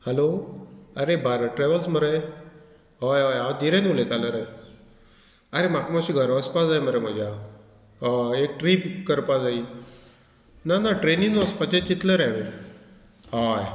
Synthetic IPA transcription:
hɛloəɾebaɾəʈɾɛʋəlsməɾəj | ɦajajad̪iɾẽnulẽt̪aləɾaj | əɾemakmaɕiɡʱəɾəspad͡zajməɾəm̤əd͡ʑʱja | ek̚ʈɾiːpkəɾpad͡zai | nanaʈɾeniŋnɔspət͡ɕẽt͡ɕit̪ləɾɛʋe | ɦaj

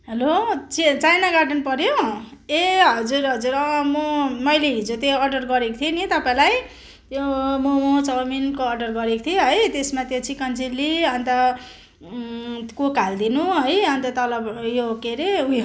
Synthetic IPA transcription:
ɦelot͡sit͡sajnaɡaʈʌnpʌɾjo | eɦʌd͡zurɦʌd͡zuɾʌmomʌjleɦid͡zot̪joːɖʌrɡʌɾekt̪ʰienit̪ʌpaĩlaj | t̪jomomot͡sʌwminkoːɖʌrɡʌɾekot̪ʰieɦʌjt̪esmat̪jot͡sikʌnd͡ziliʌnt̪ʌ | kokald̪inuɦʌjʌnt̪ʌt̪ʌlʌbjokeɾeu

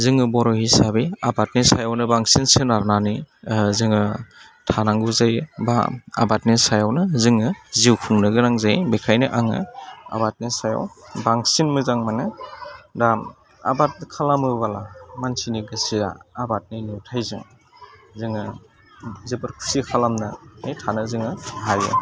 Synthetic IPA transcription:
zɯŋɯbɔɾɔhisabiabat̚nisajawnɯbaŋsinsɯnaɾnanizɯŋɯ | tʰanaŋɡuzajba̰a̰bat̚nisajawnɯzɯŋɯziwkʰuŋnɯɡɯnaŋzajbekʰajnɯʔaŋɯ̰a̰bat̚nisaja̰wbaŋsinmɯzaŋmanɯdam | a̰bat̚nkʰalamɯβalamansiniɡɯsia̰ːbat̚ninuwtʰajzɯŋ | zɯŋɯ | zibɯɾkʰu̥sikʰalamnɯnijtʰanɯzɯŋɯɦajɯ̰

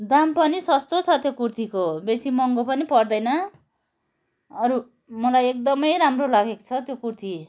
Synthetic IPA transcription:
d̪ampʌnisʌst̪ot͡sʰʌt̪jokurt̪ʰikobesimʌŋɡopʌnipʌrd̪ʌjnʌ | ʌɾu | mʌlajek̚d̪ʌmʌjɾamrolaɡeko̥t͡sʰʌt̪jokurt̪ʰi

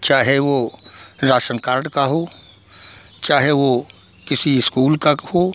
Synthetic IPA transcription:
t͡ʃaːɦeʋoɾaːʃənkaːɾɖkaɦoː | t͡ʃaːɦeʋo | kɪsiɪskuːlkaho

